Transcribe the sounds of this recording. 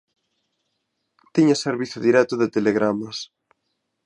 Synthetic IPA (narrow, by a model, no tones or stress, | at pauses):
t̪iɲaseɾβiθoðiɾɛt̪ʊðet̪eleɣɾamɐs